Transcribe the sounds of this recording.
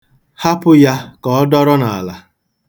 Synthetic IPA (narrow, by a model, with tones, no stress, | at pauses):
ha˦pʊ˦ja˦kɔ˨˦dɔ˦ɾɔ˦na˨la˨